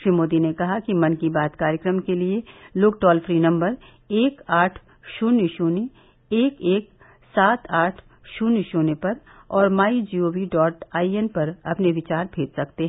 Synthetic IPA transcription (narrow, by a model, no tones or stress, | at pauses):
ʃɾimoːd̪inekɐɦakimɐ̃nkibaːt̪kaːɾjəkɾəmkelieloːɡʈɔːlfɾiːnɐ̃mbəɾ | eːkaːʈʰ | ʃʊnɪʃoːne | eːkeːk̚ | saːt̪ʰaːʈʰ | ʃʊnɪʃoːnepɐɾ | ɔːɾmaːid͡ʒiːoːʋiɖɔːʈaːiɛnpɐɾɐpneʋɪt͡ʃaːɾbʱeːd͡ʒsɐkt̪eɦɛ